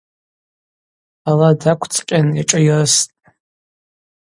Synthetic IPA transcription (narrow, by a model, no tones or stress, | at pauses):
aladakʷʰt͡sʰʼqʲʼanaʈ͡ʂʼajrɨstʼ